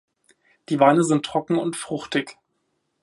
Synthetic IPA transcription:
d̥iːvaɪnəzɪntʰːʁ̥ɔkŋ̩ʊntfʁ̥ʊχtɪç

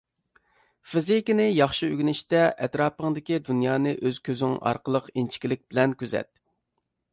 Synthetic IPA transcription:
fɪzikʲinɪjɑχʃiøɡʲnɪʃt̪ɛʔɛt̪ɾɑːpəŋd̪ɪkʲid̪unjɑːnɨʔøz̥kʲʰøzyŋɑ̰ɾqəlˠəqint͡ʃʰi̥kʲilɪk̚ʲb̥ɪlɛnkʲʰøzɛ̰t̪̚

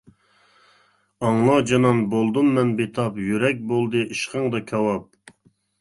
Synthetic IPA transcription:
ɑŋlˠɑd͡ʒɑnɑnbolˠd̪ummɛnbet̪ʰɑpjyɾɛk̬̚ʲbolˠd̪ɨʔiʃqəŋd̪ɑkʲʰɑwɑp̚

